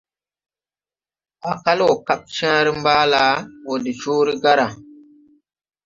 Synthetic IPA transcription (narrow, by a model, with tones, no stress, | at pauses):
a˨ka˦lo˨ka˦p̚t͡ʃã˦ɾi˦mbaː˦la˨˦wo˨di˨t͡ʃuː˦ɾi˦ɡa˦ɾa˨